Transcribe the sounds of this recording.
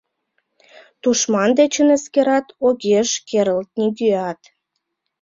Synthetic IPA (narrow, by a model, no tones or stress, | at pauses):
t̪uʃmɑnd̪et͡ɕənəskeɾɑt̪oɣʲeʃkeɾəlt̪̚niɡyɑt̪